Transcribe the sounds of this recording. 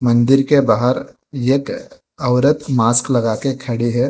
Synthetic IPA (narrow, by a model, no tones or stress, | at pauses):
mɐ̃nd̪ɪɾkebaːɦəɾ | jeːk | əʋɾət̪maːsklɐɡaːkekʰɐɽiɦɛː